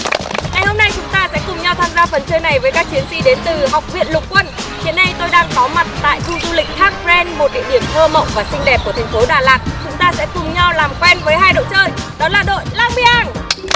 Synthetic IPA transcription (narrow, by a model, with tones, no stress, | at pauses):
ŋa˨˩jho˧mna˧jt͡ɕʊ˨˦ŋ͡mt̪aː˧sɛ̰˧˥kʊ˨˩ŋ͡mɲa˧wt̪ʰaː˧mzaː˧fə˨˩nt͡ɕəː˧jna˨˩jvəː˨˦jkaː˦˥k̚t͡ɕi˨˦ənsḭ˧˨ɗe˨˦nt̪ɨ˨˩ɦa˨˩wk͡p̚vḭ˧˨ənlʊ˨˩k͡p̚kwə˧nhḭ˧˨ənːɗa˧jt̪o˧jɗaː˧ŋkɔ˨˦ma˨˩t̚t̪a̰ː˧˨jt̪ʰu˧zu˧lï˨˩k̟̚xʰaː˦˥k̚fzɛ˧nmo˨˩t̚ɗḭ˧˨əɗi˧˩əmt̪ʰəː˧mə̰˧˨wŋ͡mvaː˨˩sï˧ŋ̟ɗɛ˨˩p̚ku˧˩ət̪ʰa˨˩ŋfo˨˦ɗaː˧˨˩laː˨˩t̚t͡ɕʊ˨˦ŋ͡mt̪aː˧sɛ̰˧˥kʊ˨˧˩ŋ͡mɲa˧wlaː˨˩mkwɛ˧nvəː˨˦jɦaː˧jɗo̰˧˨wt͡ɕəː˧jɗɔ˨˦laː˨˩ɗo̰˧˨jlaː˧ŋɓi˧˩ʔaː˧˩n